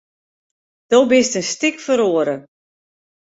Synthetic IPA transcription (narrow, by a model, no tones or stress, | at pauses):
d̥obɪstənstɪkfəɾoːəɾə